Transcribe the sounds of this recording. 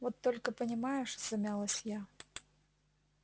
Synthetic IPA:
vɔt̪ːɔlʲkəpənʲɪmajʊʂzɐmʲalˠəsʲja

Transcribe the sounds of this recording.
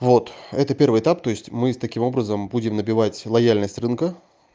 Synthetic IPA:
vo̞t̪ɛt̪əpʲe̞rvɨjɪt̪apt̪o̞ɪsʲtʲmɨst̪ɐkʲimo̞bɾəzəmbudʲɪmnəbʲɪvatʲlˠɐjalʲnəsʲtʲrɨnkə

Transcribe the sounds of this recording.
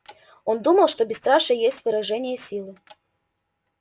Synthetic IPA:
o̞nd̪uməlˠʂt̪obʲɪst̪ɾaʂəjesʲtʲvɨɾɐʐɛnʲɪjəsʲilˠɨ

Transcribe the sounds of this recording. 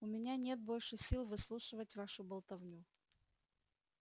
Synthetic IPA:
ʊmʲɪnʲanʲe̞t̪̚bo̞lʲʂɨsʲilˠvɨslˠuʂɨvətʲvaʂʊbɐlˠt̪ɐvnʲu

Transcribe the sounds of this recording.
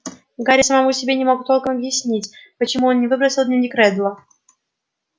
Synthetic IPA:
ɡaɾʲɪsəmɐmusʲɪbʲenʲɪmo̞ɡʊt̪ːolˠkəmɐbjɪsʲnʲitʲpət͡ɕɪmuonnʲɪvɨbɾəsʲɪlˠd̪nʲɪnʲɪkɾɛd̪lˠə

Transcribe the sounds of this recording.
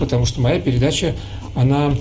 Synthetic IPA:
pət̪ɐmuʂt̪omɐjapʲɪɾʲɪd̪at͡ɕə | ɐna

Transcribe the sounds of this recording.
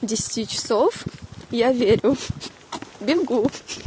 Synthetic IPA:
dʲesʲɪ̥tʲit͡ɕɪ̥sofjavʲeɾʲʊ | bʲɪɡu

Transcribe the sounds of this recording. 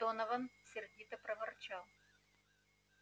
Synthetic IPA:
onɐvɐnsʲɪrdʲit̪ɐpɾɐvɐrt͡ɕalˠ

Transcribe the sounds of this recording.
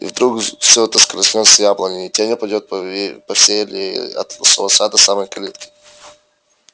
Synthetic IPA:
ḭvd̪ɾukfsʲoɛt̪əskɾəsʲnʲosʲəjablˠənʲɪitʲenʲɪpɐdʲot̪̚ppɐfsʲelʲɪɐ̰t̪solˠɐsad̪əsamɨjkɐlʲit̪kʲə̥

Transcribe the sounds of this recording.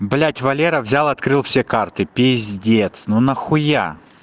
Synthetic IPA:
blʲætʲvɐlʲeɾɐvzʲalˠɐt̪kɾɨlˠfsʲekart̪ɨpʲɪzʲdʲet̪snunɐxʊja̰

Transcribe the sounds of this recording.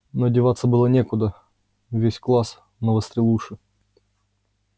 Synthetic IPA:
nodʲɪvat̪sːəbɨlˠənʲekʊd̪ə | vʲesʲklˠas | novəst̪ɾʲɪlˠuʂɨ

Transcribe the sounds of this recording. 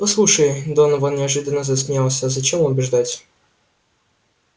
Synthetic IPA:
pɐslˠuʂəjd̪onəvonnʲɪɐʐɨd̪ənːəzəsʲmʲjʲalˠsʲəːzɐt͡ɕemʊbʲɪʐd̪atʲ

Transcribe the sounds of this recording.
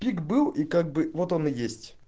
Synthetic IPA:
pʲikbɨlˠikaɡ̚bɨvo̞t̪o̞nɨjesʲtʲ

